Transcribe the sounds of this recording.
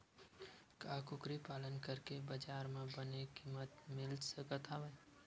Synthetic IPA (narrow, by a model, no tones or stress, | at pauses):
kaːkʊkɾipaːlənkəɾkebɐd͡ʒaːɾmẽbənekiːmət̪mɪlsəkət̪ʰaːʋə